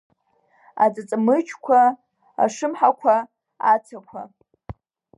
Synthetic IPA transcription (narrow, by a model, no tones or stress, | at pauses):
ad͡zʼɨt͡sʼmɨt͡ʃʰkʷʰa | a̰ʂɨmħakʷʰa | at͡sʰakʷʰa